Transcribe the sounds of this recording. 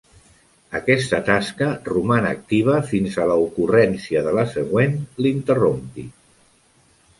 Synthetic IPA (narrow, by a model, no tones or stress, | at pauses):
əkɛst̪ət̪askərumanəːk̚t̪iβ̞əfinzələukurɛnsiəðələsəɣ̞wenlint̪ərompi